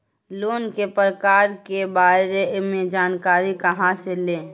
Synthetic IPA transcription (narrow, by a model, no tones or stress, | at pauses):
loːnkepɾəkaːɾkebaːɾemẽd͡ʒaːnkaːɾikəɦãseleː